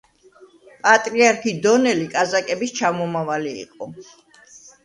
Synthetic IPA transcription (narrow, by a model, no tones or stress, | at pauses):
pʼat̪ʼɾiaɾkʰid̪ɔnɛlikʼazakʼɛbist͡ʃʰamɔmavalḭːqʼɔ